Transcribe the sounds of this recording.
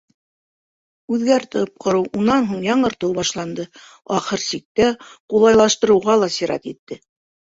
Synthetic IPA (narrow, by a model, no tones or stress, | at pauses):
ʉðɡæɾt̪ɤp̚qʰŏɾɤwʔunɑnɦuɴjɑɴɤ̆ɾt̪ɤwbɑʃlˠɑnd̪ɤ | ɑχɤɾsik̚t̪æqulˠɑjlˠɑʃt̪ɤ̆ɾɤ̆wʁɑlˠɑsiɾɑ̰t̪it̪ːɘ